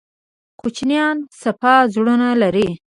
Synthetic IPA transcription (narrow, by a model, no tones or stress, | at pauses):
kut͡ʃnjɑnsapɑzɽənalaɾi